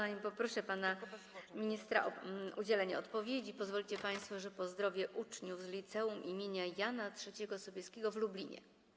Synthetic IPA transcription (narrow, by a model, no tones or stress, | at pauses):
aɲimpɔpɾɔʂɛpana | mʲiɲist̪ɾa̰ʔɔud͡ʑɛlɛɲɛɔt̪pɔvʲjed͡ʑipɔzvɔlʲit͡ɕɛpaj̃st̪fɔʐɛpɔzd̪ɾɔvʲjɛʔut͡ʂɲuvzlʲit̪sɛumʔimʲjeɲajanatʂɛt͡ɕɛɡɔsɔbʲjɛskʲɛɡɔvlublʲiɲɛ̰